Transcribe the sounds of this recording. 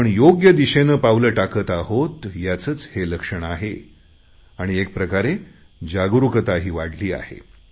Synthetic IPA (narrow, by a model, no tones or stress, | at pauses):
əɳjoɡjəd̪iɕenəːpaʋləːʈakət̪aɦot̪jat͡sət͡sheləkʂəɳ̃aɦe | aɽ̃iek̚pɾəkaɾe | d͡ʑaɡɾukət̪aɦiːʋaɽ̤liːa̰hḛ